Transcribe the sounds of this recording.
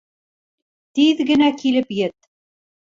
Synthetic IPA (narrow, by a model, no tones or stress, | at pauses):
t̪iðɡɘ̆nækilɘpjɘt̪̚